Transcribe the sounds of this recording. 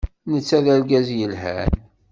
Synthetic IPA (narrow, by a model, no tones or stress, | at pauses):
nət͡sːæðælɡæzjəlhæ̰n